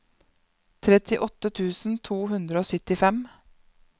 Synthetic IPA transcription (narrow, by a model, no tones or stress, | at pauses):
t̪ʰɾɛt̪ɪʔɔt̪ət̪ʰʉːsn̩t̪ʰuːhʉnd̪ɾəoːsʏt̪ɪfɛm